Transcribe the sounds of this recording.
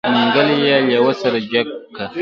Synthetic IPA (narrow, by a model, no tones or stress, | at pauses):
miŋɡalijalawɐsɐɾd͡ʒakːa